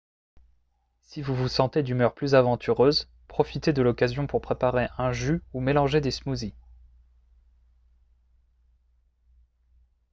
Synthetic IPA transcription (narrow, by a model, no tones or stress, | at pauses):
sivuvusɑ̃t̪ed̪ymœʁplyzavɑ̃t̪ʰyʁøz | pχɔfit̪ed̪əlɔkazjɔ̃puʁpχepaʁeʔɛ̃ʒyumelɑ̃ʒed̪esmuzi